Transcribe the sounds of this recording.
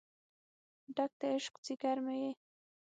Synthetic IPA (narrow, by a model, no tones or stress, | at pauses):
ɖak̚t̪aɪʃqt͡sikaɾmeje